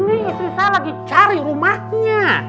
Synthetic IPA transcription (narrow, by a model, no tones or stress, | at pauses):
niisisalaɡit͡ʃaɾirumaɲa